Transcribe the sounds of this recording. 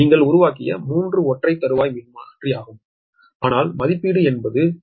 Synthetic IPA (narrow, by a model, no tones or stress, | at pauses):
niːŋɡɐɭʊɾʊʋaːkːɪjɐ̰muːndrɯɔʈrɐɪt̪ːɐɾɯʋaːjʋɪnɯmaːnɐndriaːɣɯm | aːnaːlmɐðɪpːiːɽɯɛnbɐðɯ